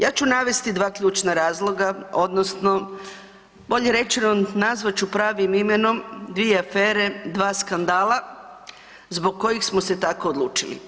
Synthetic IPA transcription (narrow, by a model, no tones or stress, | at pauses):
jaːt͡ɕunaʋe̞st̪id̪ʋaːkʎʲuːt͡ʃnaɾaːzlˠo̞ɡao̞d̪nosno̞ | bo̞ʎeɾe̞t͡ʃinonnazʋat͡ʃupɾaːʋimime̞no̞md̪ʋijeafeːɾe̞d̪ʋaːskand̪aːlˠa | zbo̞ɡ̚ko̞jixsmose̞t̪akoːd̪lˠṵːt͡ʃilḭ